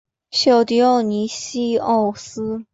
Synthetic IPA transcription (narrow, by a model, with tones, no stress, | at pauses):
ɕjo˨˩ʊt̪i˧˥o˥˩ʊni˧˥ɕi˥ɔ˥˩ʊsɹ̩˥